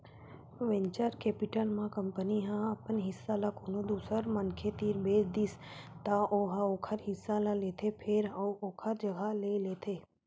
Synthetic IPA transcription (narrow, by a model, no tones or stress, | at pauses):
ʋẽnt͡ʃəɾkeːpɪʈəlmãkəmpəniɦãɐpənɦɪsːalakoːnõd̪uːsəɾmɐnkʰet̪iːɾbeːd͡ʒd̪ist̪aʔoːɦaoːkʰəɾɦɪsːalaleːt̪ʰepʰeɾooːkʰəɾd͡ʒɐɡʱaleleːt̪ʰeː